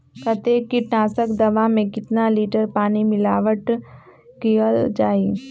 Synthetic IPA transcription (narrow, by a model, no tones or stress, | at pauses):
kɐt̪ekːiʈnaːsəkd̪ɐʋãmẽkɪt̪naliːʈəɾpaːnimɪlaːʋəʈ | kiəld͡ʒaːi